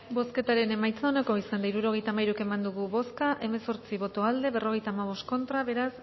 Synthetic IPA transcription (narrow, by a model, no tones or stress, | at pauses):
bo̞ske̞t̪aɾe̞ne̞majt͡saonako̞isand̪aiɾuɾo̞ɣ̞e̞jt̪amajɾuke̞mand̪uɣ̞uβo̞skaʔe̞me̞so̞ɾt͡siβo̞t̪o̞ald̪e̞βe̞ro̞ɣ̞e̞jt̪aːmaβ̞o̞st̪ko̞nt̪ɾaβe̞ɾas